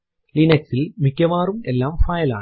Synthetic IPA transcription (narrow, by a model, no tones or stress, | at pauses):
linɐksilmikʲːɐʋaːɾumɛlːaːmfaːjɐla̰ː